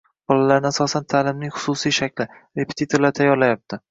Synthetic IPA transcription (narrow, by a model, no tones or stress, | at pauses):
b̥ɒlalaɾɪnɪasɒsant̪ʰalɪmnɪŋχʊ̥sʊsijʃakʲlɪ | ɾe̞pʰet̪ʰit̪ʰoɾlaɾt̪ʰajɒɾlajap̚t̪ʰɪ